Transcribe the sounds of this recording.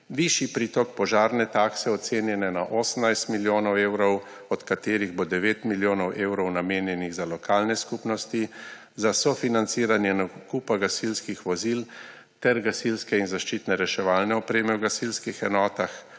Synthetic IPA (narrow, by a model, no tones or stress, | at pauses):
ʋiʃipɾiːt̪ɔk̚pɔʒaːɾnɛt̪aːksɛɔt̪seːnjɛnɛnaʔɔːsən̩najst̪miljoːnɔwewɾɔw | ɔt̪kat̪eːɾiɣbod̪ɛʋeːt̪miljoːnɔwʔeːwɾɔwnameːnjɛniɣzalɔkʰaːlnɛskupnɔst̪i | zasɔfinant̪siːɾanjɛnɔkuːpaɡasilskixʋɔzil | t̪ɛɾɡasilskɛinzaʃt͡ʃiːt̪nɛɾɛʃɛʋaːlnɛɔpɾeːmɛwɡasilskixɛnɔːt̪ax